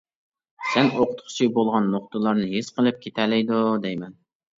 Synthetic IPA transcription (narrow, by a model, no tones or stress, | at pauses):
sɛnoqʰʊ̥t̪χʰʊ̥t͡ʃʰibolˠʁɑnːoqt̪ʰəlˠɑɾnɨɦesqəlˠɨp̚kʲʰet̪ʰælɛjd̪ud̪ɛjmɛn